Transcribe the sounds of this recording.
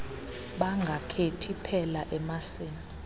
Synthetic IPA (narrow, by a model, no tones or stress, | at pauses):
ɓaŋɡʱakʰetʰipʰɛlaʔɛmaseːni